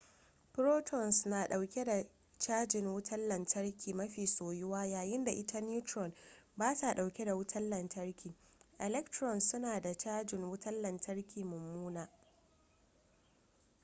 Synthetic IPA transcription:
pɾoː˦tʰɔ˨nsnaː˨ɗa˨wkʲe˦da˨ | t͡ʃaː˦d͡ʒɪ˨ŋwʊ˦tʰɐ˦lːɐ˨ntʰɐ˦ɽkʲiː˨mɐ˦ɸiː˨soː˨jʊ˦waː˦jaː˨jɪ˦nda˨ʔɪ˦tʰa˦n˦juː˦tɾɔ˨nbaː˦ta˨ɗa˨wkʲe˦da˨wʊ˦tʰɐ˦lːɐ˨ntɐ˦rkʲʰiː˨ | ʔɛ˨lɛ˦k̚tɾɔ˨nsʊ˦naː˨da˨t͡ʃaː˦d͡ʒɪ˨ŋwʊ˦tɐ˦lːɐ˨ntʰɐ˦rkʲiː˨mʊ˨mːuː˦naː˨

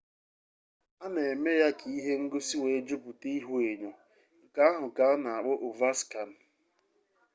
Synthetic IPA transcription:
a˦ne˨e˨me˦ja˦kʰi˨i˦ɦe˦ŋ̩˦ɡʊ˦si˦we˨e˦d͡ʒʊ˦pu˨ti˦i˦ɦu˦e˨ɲo˨ | ŋ̩˨ka˦a˦ɦʊ˨ka˨a˦na˨a˨k͡pʊ˦ʔo˨va˦ska˨n̩˨˦

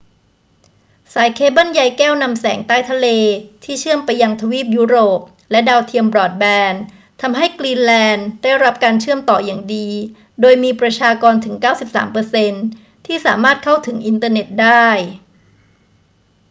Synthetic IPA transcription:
saː˩˦jkʰeː˧˥ba˥˩nja˧jkɛː˥˩wna˧msɛ̰ː˩˦ŋt̪aː˥˩jt̪ʰa˧leː˧t̪ʰiː˥˩t͡ɕʰɯ˥˩əmpa˧jːa˧ŋt̪ʰa˧wiː˥˩p̚juː˦˥ɾoː˨˩p̚ | lɛ˦˥daː˧wt̪ʰi˧əmbɾɔː˨˩t̪̚bɛː˧n | t̪ʰa˧mɦa˥˩jkliː˧nlɛː˧ndaː˥˩jɾa˦˥p̚kaː˧nt͡ɕʰɯ˥˩əmt̪ɔː˨˩jaː˨˩ŋdiː˧ | doː˧jmiː˧pɾa˧t͡ɕʰaː˧kɔː˧nt̪ʰɯ˩˦ŋkaː˥˩wsi˨˩p̚sa̰ː˩˦mpɤː˧se˧n | t̪ʰiː˥˩sa̰ː˩˦maː˥˩t̪̚kʰa˥˩wt̪ʰɯ˩˦ŋʔi˧nt̪ɤː˧ne˨˩t̪̚daː˥˩j

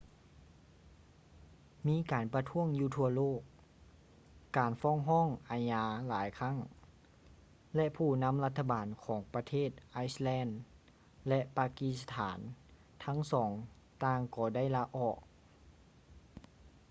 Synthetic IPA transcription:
miː˧˥˨kaː˨˩npa˧t̪ʰu˧˥əŋjuː˧t̪ʰu˧ɐloː˥˩k̚ | aː˨˩nfɔː˧˥˨ŋɦɔː˥˨ŋʔaː˨˩ɲaː˧˥laː˨˦jkʰa˧˥˨ŋ | lɛ˧ʔpʰuː˧˩na˧˥˨mla˧t̪ʰːa˧baː˨˩nkʰɔː˩˦ŋpa˧t̪ʰeː˥˩t̪̚ʔa˧˥jslɛː˧˥˨n | lɛ˧ʔpaː˧ki˧˥st̪ʰaː˩˦n | t̪ʰa˧˥ŋsɔː˩˦ŋ | t̪aː˧˩ŋkɔː˧˩da˥˩˨jlaː˧ʔɔː˧˩k̚

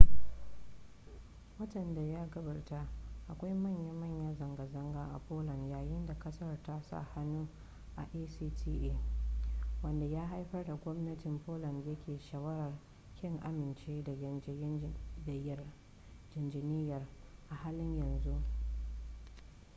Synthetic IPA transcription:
wɐ˦tɐ˨nda˨jaː˦ɡɐ˦bɐ˨rta˦ʔa˨kʷa˦jmɐ˦˨ɲja˦mɐ˦˨ɲja˦zɐ˨ŋɡɐ˨zɐ˦ŋɡaː˦ʔa˨poː˦lɐ˨njaː˨jɪ˦nda˨kɐ˦sɐ˦rta˦sa̰˦˨ha˦nu˦ | ʔa˨ʔeː˦siː˦tʰiː˦ʔe˦ | wɐ˦nda˨jaː˦ɦa˦jɸɐ˦rda˨ɡʷɔ˦mnɐ˦tɪ˨mpoː˦lɐ˨ndjɐ˦kʲeː˨ʃɐ˨wɐ˦ɾɐ˨r | kʲɪ˦ŋʔa˨mɪ˨nt͡ʃeː˦da˨˦ | dj | d͡ʒɪ˨nd͡ʒɪ˨nɪː˦jɐ˨rʔa˨haː˦lɪ˦ɲjɐ˨nzu˦ʔ

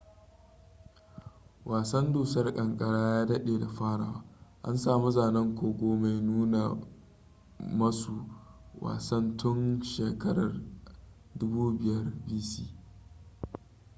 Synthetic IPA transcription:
wʔaː˨sɐ˦nduː˨sɐ˦rkʼɐ˨ŋkʼɐ˨ɽaː˦jaː˦dɐ˦ɗeː˨da˨ɸaː˦ɽa̰ː˨waː˦ʔa̰˦nsaː˨mu˦zaː˨nɐ˦ŋkʷoː˨ɡʷoː˦ma˨jnuː˦na˨ | mɐ˦su˨wa̰ː˨sɐ˦ntʰʊ˦nʃeː˨kɐ˦ɽɐ˨r | dʊ˦buː˦bɪ˦jɐ˦rbiː˦siː˦

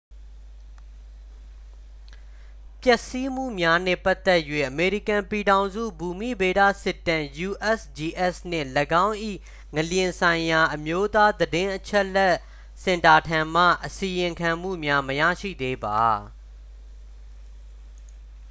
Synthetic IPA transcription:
pjɛ˦˨ʔsi˦m̥ṵ˦˨mja˦nɛ̰̃˦˨pa˦t̪ːɛ˦ʔjwḛ˦˨ʔəme˨ɹi˦kã˨mpi˨dã˨ʊ̃zṵ˦˨bu˨mḭ˦˨be˨da̰˦˨sɪ˦˨tːã˨ju˨ʔɛ˦sd͡ʑi˨ʔɛ˦sn̥ɪ̰̃˦˨ləɡã˦ʊ̃ʔḭ˦˨ | ŋə˨ljɪ̃˨sʰã˨ɪ̃ja˨ʔəmjo˦t̪a˦d̪ədɪ̃˦ʔət͡ɕʰɛ˦ʔlɛ˦ʔ | sɪ̃˨nta˨tʰã˨m̥ä̰˦˨ʔəsi˨jɪ̃˨ŋkʰã˨m̥ṵ˦˨mja˦məja̰˦˨ʃḭ˦˨d̪e˦ba˨

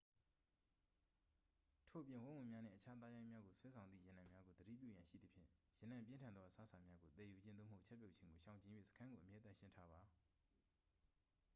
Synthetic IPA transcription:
tʰo˨ʔəpjɪ̃˨wʊ̃˦wʊ̃˨mja˦n̥ɪ̰̃˦˨ʔət͡ɕʰa˦t̪a˦jã˦ɪ̃mja˦ɡo˨swɛ˦sʰã˨ʊnd̪ðḭ˦˨jɪ̃˨nã˨mja˦ɡo˨d̪əɾḭ˦˨p̬jṵ˦˨jã˨ʃḭ˦˨d̪ə˨pʰjɪ̰̃˦˨jɪ̃˨nã˨mp̬jɪ̃˦ntʰã˨nd̪ðɔ˦ʔəsa˦sʰã˨mja˦ɡo˨t̪ɛ˨ju˨d͡ʑɪ̃˦no̰˦˨mho˦ʊʔt͡ɕʰɛ˦pjo˦ʊʔt͡ɕʰɪ̃˦ŋɡo˨ʃã˨ɲt͡ɕĩ˦jwḛ˦˨sə̥kʰã˦ŋɡo˨ʔəmjɛ˦t̪ã˦˨ʃɪ̃˦ntʰa˦ba˨

